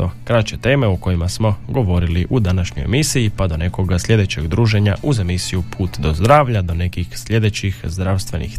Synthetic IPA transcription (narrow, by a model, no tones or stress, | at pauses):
o̞kɾat͡ʃe̞t̪e̞ːme̞uko̞jimasmo̞ɡo̞ʋo̞ɾiliʔud̪anaʃɲojḛmisiipad̪o̞ne̞ko̞ɡaslʎʲje̞d̪e̞t͡ɕe̞ɡd̪ɾuːʒe̞ɲaʔuze̞misijupʰuːt̪d̪o̞zd̪ɾaːʋʎad̪o̞ne̞kixslʲʎe̞d̪e̞t͡ɕixzd̪ɾawst̪ʋe̞nḭx